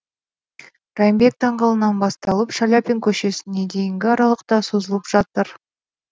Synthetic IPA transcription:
rɑjmbe̞k̚t̪ʰɑɴqɑlˠənɑnbɑst̪ɑlˠəpʃalʲapʲiŋkʲʰɵʃe̞sɪne̞d̪e̞jɪŋɡʲɪɑɾɑlˠəqt̪ɑso̞zəlˠəpʒ̥ɑt̪əɾ

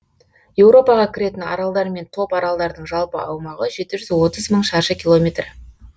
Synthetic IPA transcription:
je̞wɾo̞pɑʁɑkʲʰɪɾe̞t̪ɪnɑ̰ɾɑlˠd̪ɑɾme̞nt̪ʰo̞pɑɾɑlˠd̪ɑɾd̪əɴʒɑlˠpə̰ʔɑwmɑʁəʒe̞t̪ɪʒʏzwo̞t̪əzməɴʃɑɾʃəkʲʰilˠo̞mʲet̪r

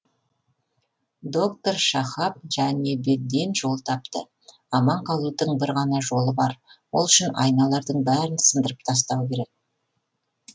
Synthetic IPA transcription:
d̪o̞kt̪o̞rʃɑχɑp̚ʒ̥æne̞be̞t̪̚d̪e̞nʒo̞lˠt̪ʰɑp̚t̪ə | ɑmɑɴqʰɑlˠut̪əɴbɪɾʁɑnɑʒo̞lˠəbɑɾwolˠʏʃɪnɑ̰jnɑlˠɑɾd̪əɴbæɾɪnsənd̪əɾəp̚t̪ʰɑs̬t̪ɑwkʲʰe̞ɾe̞k̚

